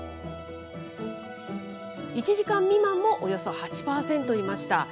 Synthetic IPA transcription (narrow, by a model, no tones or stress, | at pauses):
it͡ɕiʑikãmːʲimãmːo̞ʔojo̞so̞hat͡ɕi̥paːsẽ̞nt̪o̞imaɕi̥t̪a̰